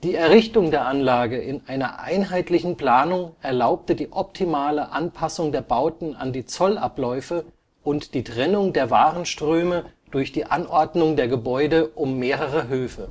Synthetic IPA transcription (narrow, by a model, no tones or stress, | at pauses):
d̥iːɛɐʁɪçtʊŋdeːɐʔanlaːɡəɪnʔaɪnɐʔa̰ɪnɦaɪtlɪçn̩pl̥aːnʊŋʔɛɐlaʊp̚tədiːʔɔp̚tʰimaːləʔanpʰasʊŋdeːɐbaʊtn̩a̰ndiːt͡sɔla̰plɔʏfə | ʔʊntd̥iːtʁ̥ɛnʊŋdeːɐvaːʁənʃtʁ̥øːməd̥ʊɐçd̥iːʔanʔɔɐdnʊŋdeːɐɡəbɔʏdəʔʊmːeːʁəʁəɦøːfə